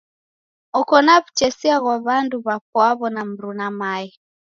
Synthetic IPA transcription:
ɔkɔnaβut͡ʃɛsiaɣwaβanduβak̚waβɔnam̩ɾunamai

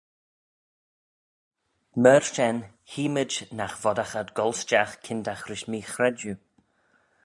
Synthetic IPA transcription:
mɛːɹʃɛn | hiːməd͡ʒnaxvɔdaxadɡɔlˠsd͡ʒaxkʰɪndaxɾɪʃmiːxɾɛdju

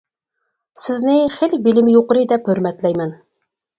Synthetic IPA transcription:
sɪznɪχelbilɪmɪjoqəɾɨd̪ɛphøɾmɛt̪lɛjmɛn

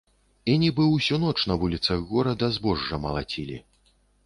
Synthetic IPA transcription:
inʲibɨwsʲunɔt͡ʂnɐvulʲit̪sɐɣːɔɾɐd̪ɐzbɔʐːɐmɐ̰lˠat͡sʲilʲḭ

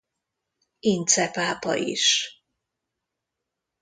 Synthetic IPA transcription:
int̪sɛpaːpɒ̰ʔḭʃ

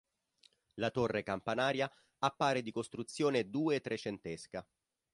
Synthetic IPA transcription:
lat̪orːekampanaːɾja | apːaːɾed̪ikost̪ɾut̪sːjoːned̪uːet̪ːɾʔet͡ʃent̪eska

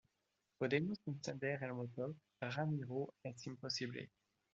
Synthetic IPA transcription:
od̪emɔ̃sɔ̃sɛ̃d̪ɛʁalmɔt̪ɔ | ʁamiʁoɛsĩmpɔsiblḛ

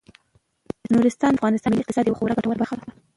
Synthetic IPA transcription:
nuɾɪst̪ɑnafɣɑnɪst̪ɑnmɪliq̚t̪ɪsɑd̪jawaxowɾaɡaʈawaɾbaɾxalad̪a

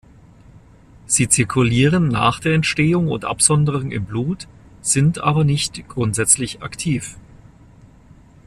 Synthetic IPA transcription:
z̥iːt͡sɪɐkʰʊliːʁənːa̰ːχd̥eːɐɛntʃteːʊŋʊ̰ntʔa̰pz̥ɔndəʁʊŋɪ̰mbluːt | z̥ɪntʔa̰ːbɐnɪçtɡ̥ʁʊntz̥ɛt͡slɪçaktʰiːf

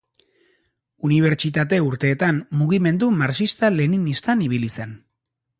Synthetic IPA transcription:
uniβ̞e̞ɾt͡ʃit̪̬at̪e̞uɾt̪e̞ːt̪ammuɣime̞nd̪umaɾt͡ʃist̪ale̞ninist̪aniβ̞ilise̞n

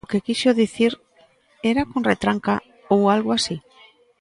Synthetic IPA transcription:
kekiʃoðiθiɾ | eɾakonret̪ɾaŋka | owalɣoasi

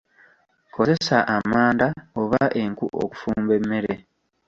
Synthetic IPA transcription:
kʰo̞ze̞saʔamaːndaoβaʔe̞ŋkuʔo̰ku̥fuːmbe̞mːe̞ɾe

